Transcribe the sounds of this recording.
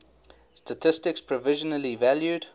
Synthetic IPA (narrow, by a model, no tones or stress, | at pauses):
stətʰɪstɪkspʰɹɔvɪʒənəlivæljud